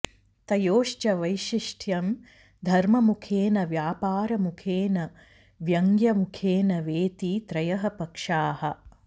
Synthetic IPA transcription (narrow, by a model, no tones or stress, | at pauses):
t̪ɐjoːʂt͡ʃɐʋɐjʃiʂʈʰjɐm | d̪ʱɐɾmɐmukʰeːnɐʋjaːpaːɾɐmukʰeːnɐ | ʋjɐŋɡjɐmukʰeːnɐʋeːt̪it̪ɾɐjɐɦɐpɐkʂaːhɐ̆